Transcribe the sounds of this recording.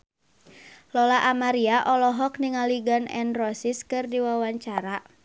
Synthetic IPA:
lɔlaʔamaɾiaʔɔlɔɦɔkniŋaliɡanɛ̰nrɔsiskɨrdiwawaɲt͡ʃaɾa

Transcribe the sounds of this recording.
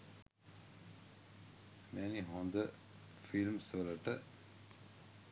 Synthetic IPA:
mɛniɦõnd̪ə | filmsələʈə

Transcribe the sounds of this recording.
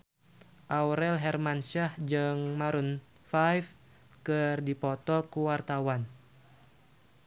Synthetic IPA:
ʔauɾɛlɦɛrmanʃahd͡ʒɨŋmaɾun | fajf | kɨrdipɔt̪ɔkuwart̪awan

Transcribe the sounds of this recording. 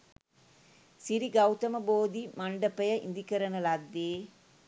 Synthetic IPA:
siɾiɡɐwt̪ɐmɐboːd̪imɐɳɖɐpɐjɐʔɪ̰nd̪ikɐɾɐnɐlɐd̪ːe

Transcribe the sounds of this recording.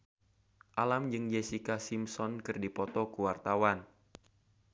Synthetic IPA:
ʔalamd͡ʒɨŋd͡ʒesikasimsɔnkɨrdipɔt̪ɔkuwart̪awan

